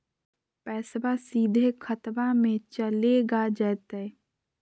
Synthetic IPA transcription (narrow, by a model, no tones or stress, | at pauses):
pɛːsbasiːd̪ʱekʰət̪bamẽt͡ʃəleɡad͡ʒɛːt̪ɛ